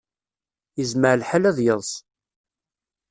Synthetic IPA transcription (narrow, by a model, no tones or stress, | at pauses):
jəzməʕlħalæðjəðˤs